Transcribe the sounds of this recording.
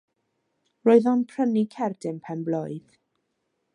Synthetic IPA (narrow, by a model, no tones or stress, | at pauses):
roːɨðɔnpʰrənikʰɛrdɪnpʰɛnbloːɨð